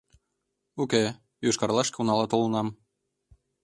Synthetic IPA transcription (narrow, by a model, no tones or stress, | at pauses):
uke | juʃkɑrlˠɑʃkeunɑlˠɑt̪olənɑm